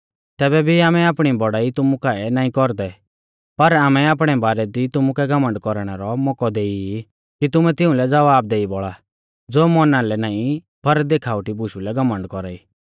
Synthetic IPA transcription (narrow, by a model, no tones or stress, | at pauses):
t̪ɛːbɛbʱiaːmɛaːpɽ̃ibɔɽaːit̪ʊmukaɛnaːĩkɔɾd̪ɛ | pɐɾaːmɛaːp̬ɽ̃ɛbaːɾɛd̪it̪ʊmukɛɡɐmə̃ɳɖkɔɾɽ̃ɛɾɔmɔkɔd̪eːi | kit̪ʊmɛt̪ɪʊ̃lɛd͡zɐʋaːb̚d̪eːibɔɭa | d͡zoːmɔnãlɛnaːĩ | pʰɐɾd̪eːkʰaːʊʈibʊʃulɛɡɐmə̃ɳɖkɔɾaːiː